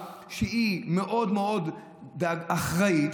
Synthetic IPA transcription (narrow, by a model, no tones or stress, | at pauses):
ʃeimeʔo̞d̪meo̞d̪ː | aɡaχʁai